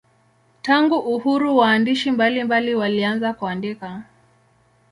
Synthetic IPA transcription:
taŋɡuʔːhuɾuwaːndiʃimbalimbaliwalianzakuandika

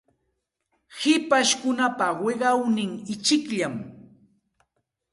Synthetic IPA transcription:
hɪpaʃkʊnapawɪɢɑwnɪŋɪt͡ʃɪkʎam

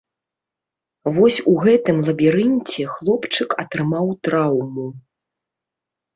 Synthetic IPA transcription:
vɔsʲuɣɛt̪ɨmlˠɐbʲiɾɨnʲt͡sʲɛxlˠɔpt͡ʂɨkɐt̪ɾɨmawt̪ɾawmu

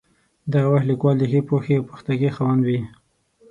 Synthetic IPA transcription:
d̪aɣawaxlikwɑld̪əxepoxeawpə̥xt̪aɡexawand̪wi

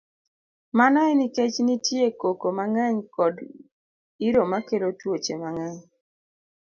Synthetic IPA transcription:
manɔɛniket͡ʃnitjekokomaŋɛɲkɔd | iɾomakelotwot͡ʃemaŋɛɲ

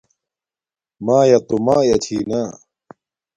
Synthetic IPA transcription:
maːjɐt̪umaːjɐt͡ɕʰiːnaː

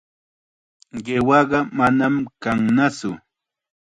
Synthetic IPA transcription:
ɢewɑɢɑmanamkaŋnat͡sʊ

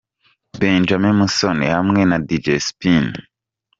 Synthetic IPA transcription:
beːnd͡ʒamemusonḛhamŋenadid͡ʒespin

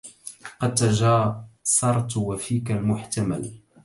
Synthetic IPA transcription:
qɑd̪̚t̪ːaʒaːsˤɑɾˤt̪ˤwafiːkalmʊħt̪ama̰l

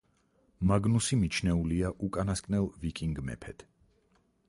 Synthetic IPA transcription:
maɡnusimit͡ʃʰnɛuliaʔukʼanaskʼnɛlˠvikʼiŋɡmɛ̰pʰɛd̪̥

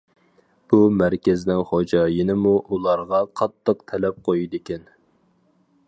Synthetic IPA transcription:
b̥umæɾkʲɪznɪŋχod͡ʒɑjinɪmuʔulˠɑɾʁɑqʰɑt̪ʰːəqt̪ʰɛlɛp̚qʰojid̪ɪkʲɛn

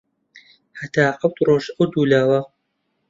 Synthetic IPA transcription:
hɐt̪ʰaːqɐwt̪roːʃɐwd̪uːlaːwɐ

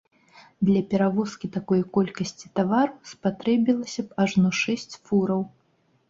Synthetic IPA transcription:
d̪lʲɐpʲɛɾavɔskʲit̪akɔjkɔlʲkɐsʲt͡sʲi̥t̪avaɾuspat̪ɾɛbʲilˠɐsʲɐpaʐnɔʂɛsʲt͡sʲfuɾɐw

